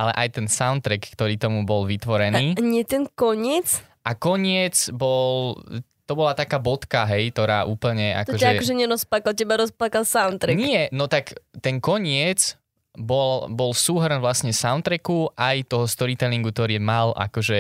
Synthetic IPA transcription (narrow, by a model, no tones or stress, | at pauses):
ʔalɛ̰ʔajt̪ɛnsaʊnt̪ɾɛkːt̪ɔɾiːt̪ɔmubɔlʋit̪ʋɔɾɛniːɲɪɛt̪ɛnkɔɲɪɛt͡s | ʔakɔɲɪɛt͡sbɔlt̪ɔbɔlat̪akaːbɔt̪kaɦɛjt̪ɔɾaːʔuːpl̩ɲɛa̰kt̪ɔɔʒɛakɔʒɛɲɛɾɔsplakalcɛbaɾɔsplakalsaʊnt̪ɾɛɲɪɛnɔt̪akt̪ɛnkɔɲɪɛt͡s | bɔlbɔlsuːɦr̩nʋlasɲɛsaʊnt̪ɾɛkuʔajt̪ɔɦɔst̪ɔɾit̪ɛliŋɡukt̪ɔɾiːmalʔa̰kɔʒɛ